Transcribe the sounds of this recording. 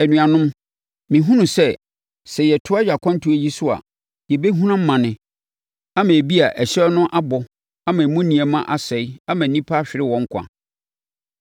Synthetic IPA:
ɛ˨nũ˨ã˨nʊ̃˦m | mɪ̃˨ɦũ˦nũ˨sɛ˦˨ | sɛ˨jɛ˨tʰʊ˦a˦ja˨kʰʷɔ̃˦n˦tʰu˦ɛ˦˨ji˦sʊ˦a̰˨ | jɛ˨be˦ɦũ˦nã˦m̩˦mã˨nɪ̃˦ | a˦mã˨bi˦a˨ʔɛ˨ɕɛ˦nʊ̃˦ʔa˦bɔ˨ | a˦mã˨mũ˦nĩ˨ɛ˨mã˦ʔa˨sɛ˨i˦a˦mã˨nĩ˦pʰa˦ɕᶣɪ˨ɾɪ˦wɔ̃˨˦ŋ̩˦kʷʰa̰˨

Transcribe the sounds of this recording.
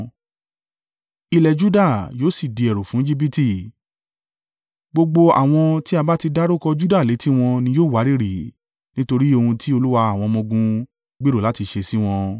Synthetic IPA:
i˧lɛ˨d͡ʒu˦da˦˨joː˨˦si˦˨di˨˧ɛ˨ɾo˨fũ˨˦i˦d͡ʒi˦b̬i˦ti˦˨ | ɡ͡bo˧ɡ͡bo˧a̰˨w̃ɔ̃˧ti˦a˧ba˦ti˧da˦ɾo˦kɔ˧d͡ʒu˦da˦˨le˨˦ti˦w̃ɔ̃˧nĩ˧joː˦˨wa˨˦ɾi˦˨ɾi˨ | nĩ˦to˧ɾi˦o˧hũ˧tʰi˦o˧lu˦wa˧a˦˨w̃ɔ̃˧mɔ̃˧ɡũ˧ | ɡ͡be˦ɾo˦˨la˨˦ti˧ʃe˧si˦w̃ɔ̃˧

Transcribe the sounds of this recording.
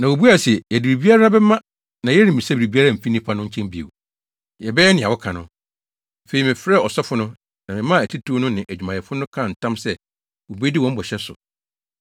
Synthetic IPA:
nã˨wo˨bu˦a˨si˨ɛ˨jɛ˨di˨ɾi˨bi˦a˦ɾa˦bɛ˦mã˦ | nã˨jɛ˦ɾĩ˨m˨ĩ˨sa˦bi˨ɾi˨bi˦a˦ɾa˦m̩˨fi˦nĩ˦pʰa˦nʊ̃˦ɲ̩˦t͡ɕʰɛ̃˦mbi˨ḛ˨w | jɛ˨bɛ˦ɛ˦nɪ̃˨a˨wɔ˦kʰã˨nʊ̃˦˨ | fe˨ɾi˨mɪ̃˨fɾɛ˦˨ɔ˨sɛ˦fʊ˦nʊ̃˦ | nã˨mɪ̃˨mã˦˨æ˨tʰi˦tʰu˦nʊ̃˦nɪ̃˨ʔæ˨d͡ʑᶣu˨mã˨ɛ˨fʊ˦nʊ̃˦kʰã˦˨n̩˨tʰã˦msɛ˦ | wo˨bu˦e˦di˦wɔ̃˦m˦bɔ˨ɕɛ˦sʊ̰˨

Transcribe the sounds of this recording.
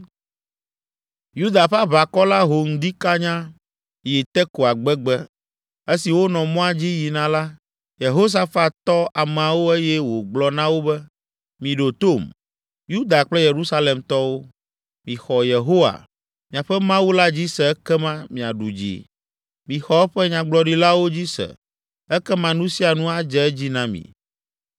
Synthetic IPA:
ju˦d̪a˨ɸa˦βa˨kɔ˦la˦ɦo˨ŋ̩˨d̪i˦ka˦ɲã˦ | ji˨t̪ɛ˦ko˨a˨ɡ͡bɛ˦ɡ͡bɛ˦ | e˦si˨wo˦nɔ̃˨mɔ̃˦a˦d͡ʑi˦ji˨nã˨la˦ | je˨ɦo˦s̬a˦fa˦t̪ɔ˦a˨mã˨wo˦e˦jɛ˦wo˨ɡ͡blɔ˨nã˦wo˦bɛ˦ | mĩ˨ɖo˨t̪o˦˨m | ju˦d̪a˨k͡plɛ˦je˨ɾu˦sa˦le˨mt̪ɔ˦wo˦ | mĩ˨xɔ˨je˨ɦo˦wa̰˨ | mĩ˨a˨ɸɛ˦mã˦wu˦la˦d͡ʑi˦sɛ˨ɛ˦kɛ˦mã˦mĩ˨a˨ɖu˨d͡ʑḭ˨ | mĩ˨xɔ˨ɛ˦ɸɛ˦ɲã˨ɡ͡blɔ˨ɖi˦la˦wo˦d͡ʑi˦sɛ̰˨ | ɛ˦kɛ˦mã˨nũ˦si˦a˨nũ˦a˦d͡ʒɛ˨˦d͡ʑi˦nã˦mḭ̃˨

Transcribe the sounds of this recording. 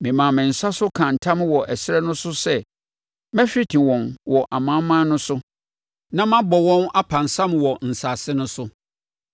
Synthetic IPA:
mɪ̃˨mã˨mɪ̃˨n̩˨sa˦sʊ˦kʰã˨n̩˨tʰã˦m˦wɔ˨ʔæ˨sɪ˦ɛ˦nʊ̃˦sʊ˦sɛ˦ | mɛ̃˦fᶣi˦tʰĩ˨wɔ̃˨nwɔ˨ʔa˨mã˦mã˦nʊ̃˦sʊ˦ | nã˦mã˦bɔ˨wɔ̃˦na˦pʰã˨n˨sã˦mwɔ˨n̩˨sa˨sɪ˦nʊ̃˦sʊ˦

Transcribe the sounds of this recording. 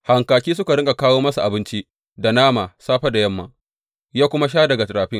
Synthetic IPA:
ha˨ŋkaː˨kʲiː˦s̬ʊ˦ka˨ɽɪ˦ŋɡa˨kaː˦woː˦mɐ˦sa˨ʔa˨bɪ˦nt͡ʃi˦ʔ | da˨naː˦maː˨saː˦ɸa˦da˨jɐ˦mːa̰˦ | jaː˦kʷʊ˦ma˦ʃ̬aː˦dɐ˨ɡa˨tɐ˨ɾaː˨ɸɪ˦ŋ

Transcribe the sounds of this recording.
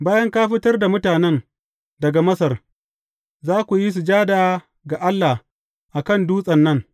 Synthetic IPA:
baː˦jɐ˦ŋkaː˦ɸɪ˦tɐ˦rda˨mʊ˦taː˨nɛ˦n | dɐ˨ɡa˨mɐ˦sɐ˨r | zaː˦kʷu˨ji˦s̬u˨d͡ʒaː˦daː˨ | ɡa˨ʔa˦lːa˨h | ʔa˨kɐ˦˨nduː˦sʼɐ˨nːɐ˦ŋ

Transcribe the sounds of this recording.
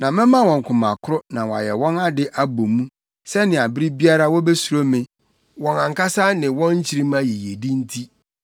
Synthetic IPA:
nã˨mɪ̃˦mã˦wɔ̃˨ŋ˨kʰʊ̃˨mã̰˨kʰʊ˦ɾʊ˦nã˨wɔ˨a̰˨jɛ̰˨wɔ̃˦na˦dɪ˦ʔa˦bo˨mũ˦ | sɛ˦nɪ̃˨a˨bɪ˦ɾi˦bi˦a˦ɾa˦wɔ˦be˦su˨ɾo˦mɪ̃˦˨ | wɔ̃˨nã˨ŋ˨ka˦sa˦nɪ̃˨wɔ̃˦ɲ̩˦t͡ɕʰi˦ɾĩ˦mã˦ji˨je˨di˦n̩˦tʰi˦

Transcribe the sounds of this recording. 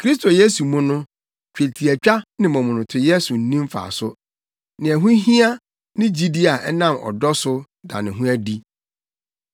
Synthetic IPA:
kʰɾi˦s̬tʰo˨je˦su˨mʊ̃˦nʊ̃˦ | t͡ɕᶣe˨tʰi˨æ˨t͡ɕᶣa˦nɪ̃˨mɔ̃˨mʊ̃˨nʊ̃˨tʰʊ˨˦je˦su˨n̩˦nĩ˦m˦fa̰˨sʊ˦ | nɪ̃˨ɛ˨ɦʊ̃˦ɦĩ˦a˦ | nɪ̃˦d͡ʑi˦di˦a˨ʔɛ˦nã˦mɔ̰˨dɔ˦sʊ˦ | da̰˨nɪ̃˨ɦʊ̃˦æ˦di˦

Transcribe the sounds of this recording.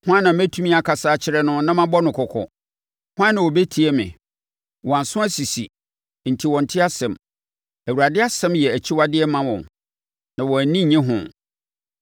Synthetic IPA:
hʊ̃˦a˦nã˨mæ̃˦tʰu˦mĩ˦a˨kʰa˨saː˦t͡ɕʰɪ˦ɾɛ˦nʊ̃˦nã˦mã˦bɔ˦nʊ̃˨kʰɔ˨kʰɔ̰˨ | hʊ̃˦ã˦nã˨wɔ˨be˦tʰi˨ɛ˦mɪ̰̃˨ | wʔɔ˨a˨n˨sʊ̃˦æ˦si˨sḭ˨ | n̩˨tʰi˨wɔ̃˨n̩˨tʰɪ˦a˦sɛ̃˨m | æ˨wu˨ɾa˨dɪ˦a˦sɛ̃˦mjɛ˨æ˨t͡ɕʰi˦wa˦dɪ˦ɛ˦mã˦wɔ̰̃˨n | nã˨wɔ̃˨æ˨nĩ˦˨ɲɛ̃˦ɦʊ̰̃˨

